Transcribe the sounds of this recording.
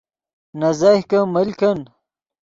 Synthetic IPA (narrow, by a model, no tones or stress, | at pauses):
nɐzaːhkɐmɐlkʰɐn